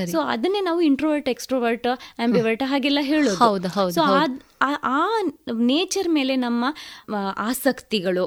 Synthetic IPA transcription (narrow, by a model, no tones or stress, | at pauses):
ɐɾisoːɐ̰d̪ɐnːenaːʋuiɳʈɾoʋɐɾʈeksʈɾoːʋɐɾʈɐmbiʋɐɾʈɦaːɡɛlːɐɦeːɭoːdhuɐwd̪uɦɐwd̪soːaʔaːneːt͡ʃɐɾme̞ːle̞nɐmːɐaːsɐkt̪iɡɐɭu